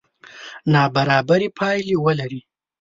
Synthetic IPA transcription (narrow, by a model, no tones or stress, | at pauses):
nɑbaɾɑbaɾipʰɑjliwəlaɾi